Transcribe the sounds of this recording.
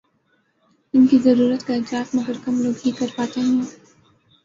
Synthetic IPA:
ɪnkizɐɾuːɾət̪kaɪd͡ʒaːt̪mɐɡəɾkɐmloːɡɦikɐɾpaːt̪eɦɛ̃ː

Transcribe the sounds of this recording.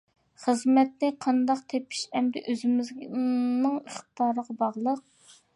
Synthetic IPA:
χəzmɛt̪nɪqʰɑnd̪ɑqt̪ʰepʰɪ̥ʃɛmd̪ɛ̰ʔøzɪmɪznɨŋəχt̪t̪ɑːɾəʁɑbɑʁlˠəq̚

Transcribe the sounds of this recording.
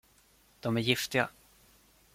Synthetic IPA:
d̪̥ɔmæɾjɪft̪ɪɡa̰

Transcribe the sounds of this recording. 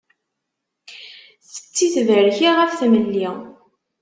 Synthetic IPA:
θə̥t͡sːiθvəɾçiʁəfθməlːi

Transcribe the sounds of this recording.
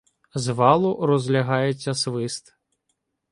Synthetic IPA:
zʋɑlˠʊɾɔzʲlʲɐɦɑjet͡sʲːɐsʋɪst̪

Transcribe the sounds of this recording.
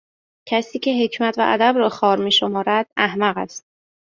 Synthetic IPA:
cʰæsiːcʰe̞ɦecʰmæt̪ʰvæ̰ʔæ̰d̪æbɾɒːxɒːɾmiːʃomɒːɾæd̪̥̚æhmæɣæ̰st̪̚

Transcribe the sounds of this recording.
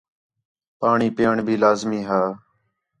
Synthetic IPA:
paːɳiːpeːɳbʱiːlaːzmiːɦaː

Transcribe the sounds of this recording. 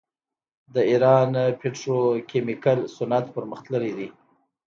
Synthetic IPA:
d̪əiɾɑnpeʈɾokemikalsʊnat̪pəɾməxt̪ləɾid̪i

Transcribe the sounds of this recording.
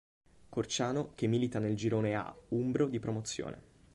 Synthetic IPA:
kort͡ʃaːnok̟emːiːlit̪aneld͡ʒiɾoːnea̰umbɾod̪ipɾomot̪sːjo̰ːnḛ

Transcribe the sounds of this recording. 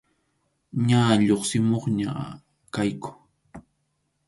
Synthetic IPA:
ɲaːʎoχsɪmoχɲa̰ | kajkʊ̥

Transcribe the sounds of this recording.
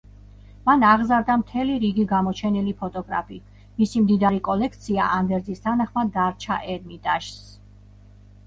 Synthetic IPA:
manaʁzaɾd̪amt̪ʰɛliɾiɡiɡamɔt͡ʃʰɛnilipʰɔt̪ʼɔɡɾa̰pʰi | misimd̪id̪aɾikʼɔlɛkʰt̪sʰia̰ʔamd̪ɛɾzist̪ʰanaχmad̪aɾt͡ʃʰa̰ʔɛɾmit̪ʼaʃs

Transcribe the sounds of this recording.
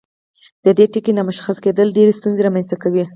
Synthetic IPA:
d̪̥əd̪eʈikinamʊʃḁxasked̪əlɖeɾest̪unzeɾamanst̪akawi

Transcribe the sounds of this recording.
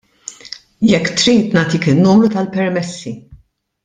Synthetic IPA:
jɛkːt̪ɾiːt̪nɐːt̪ikɪnːumɾut̪ɐlpɛɾmɛsːi

